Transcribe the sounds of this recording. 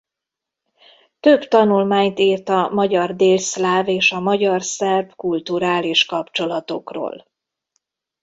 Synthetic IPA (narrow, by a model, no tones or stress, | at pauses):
t̪øbt̪ɒnulmaːɲt̪iːrt̪ɒmɒɟɒrd̪eːlslaːveːʃɒmɒɟɒrsɛrvkult̪uɾaːliʃkɒpt͡ʃo̞lɒt̪o̞kro̰ːl